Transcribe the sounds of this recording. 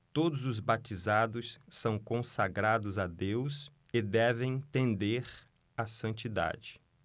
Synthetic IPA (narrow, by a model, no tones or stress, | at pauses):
t̪od̪ʊzʊzbat͡ʃ̪izad̪ʊsːɐ̃w̃kõsaɡɾad̪ʊzad̪ews | ɪd̪ɛvẽj̃t̪ẽnd̪eɾ | asɐ̃nt͡ʃid̪a̰d͡ʒɪ